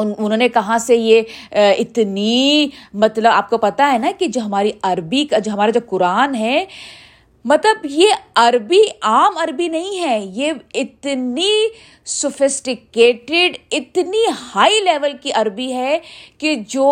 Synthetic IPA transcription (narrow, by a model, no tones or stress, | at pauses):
ʊʊnɦõːnekɐɦãsejeɪt̪nimɐt̪ləbaːp̚kopɐt̪aɦɛnaked͡ʒoɦɐmaːɾiɐɾbikad͡ʒɦɐmaːɾad͡ʒob̚kʊɾaːnɦɛ | mɐt̪ləbjeɐɾbiaːmɐɾbinɐɦĩɦɛːjeɪt̪ni | sʊfɪsʈɪkeːʈɪɖɪt̪nihaːilɛːʋəlkiʔɐɾbiɦɛked͡ʒoː